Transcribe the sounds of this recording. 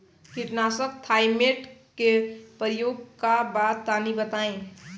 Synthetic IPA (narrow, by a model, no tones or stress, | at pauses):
kiʈnaːsək̚t̪ʰaːɪmeːʈkepəɾjoːɡkabaːd̪t̪aːnibət̪aːẽ